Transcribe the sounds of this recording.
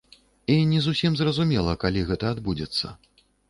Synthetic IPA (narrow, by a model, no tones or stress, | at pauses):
inʲɛzusʲimzrɐzumʲɛlˠɐkalʲiɣɛt̪ɐad̪bud͡zʲɛt̪sːɐ̰